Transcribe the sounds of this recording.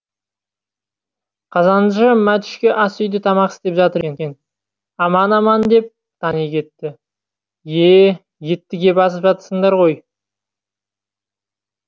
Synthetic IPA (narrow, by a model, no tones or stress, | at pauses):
qʰɑzɑnʒəmæt̪ʏ̥ʃkʲe̞ʔɑsʏjd̪ɪt̪ʰɑmɑqɪst̪e̞pʒɑt̪əɾeŋkʲen | ɑmɑnɑmɑnd̪e̞p̚ | t̪ʰɑnijkʲʰe̞t̪ːɪ | je | je̞t̪ːɪɡʲe̞bɑs̬əpʒɑt̪əsəɴd̪ɑɾʁo̞j